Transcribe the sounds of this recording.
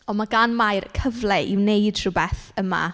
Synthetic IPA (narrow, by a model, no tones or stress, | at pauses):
ɔnmaɡanmajrkʰəvlɛʔḭwnejd̥tʰrʊbɛθəma̰